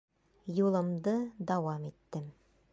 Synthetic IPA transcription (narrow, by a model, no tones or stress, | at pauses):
julˠɤ̆md̪ɤd̪ɑwɑmit̪ːɘm